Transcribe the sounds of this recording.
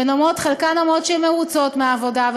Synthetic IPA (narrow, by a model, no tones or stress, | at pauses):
enomot̪χelkanomot̪ʃeɛmeʁut͡sotmeaːvo̞dav